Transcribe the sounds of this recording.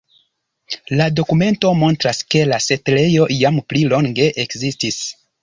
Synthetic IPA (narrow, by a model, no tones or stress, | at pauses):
lado̞kume̞nto̞mo̞ntɾaske̞lase̞tle̞jo̞ʔijamplilo̞ŋɡe̞ʔekzistis